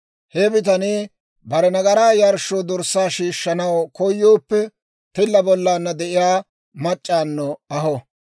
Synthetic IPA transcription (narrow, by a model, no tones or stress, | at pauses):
hebɪt̪̬ɐniː | bɐɾɛnɐɡɐɾaːjɐɾʃod̪ɔɾsːaːʃiːʃːɐnɐwkʰɔjːoːpːɛ | t̪ɪlːɐbɔlːaːnːɐd̪ɛʔɪjaː | mɐt͡ʃʼːaːnːɔɐɦɔ